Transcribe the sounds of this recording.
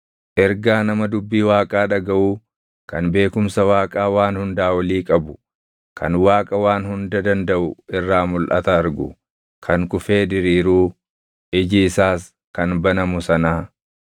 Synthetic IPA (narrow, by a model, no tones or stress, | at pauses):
ʔɛɾɡaːnɐmɐd̪ʊbːiːwaːkʼaːᶑɐɡɐʔuː | kɐnbe̞ːkʊmsɐwaːkʼaːwaːnhʊnd̪aːwɐliːkʼɐbʊ̥ | kʰɐ̰nwaːkʼɐwaːnhʊnd̪ɐd̪ɐnd̪ɐʔʊɪrːaːmʊlʔɐ̰t̪ɐːɾɡʊ̰ | kʰɐŋkʊfe̞ːd̪ɪɾiːɾuː | ʔɪd͡ʒɪːsaːs | kɐnbɐnɐmʊsɐnaː